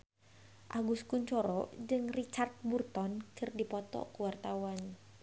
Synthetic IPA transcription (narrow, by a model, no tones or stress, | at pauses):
ʔaɡuskuɲt͡ʃɔɾɔd͡ʒɨŋrit͡ʃart̪̚burt̪ɔnkɨrdipɔt̪ɔ̰kuwart̪awan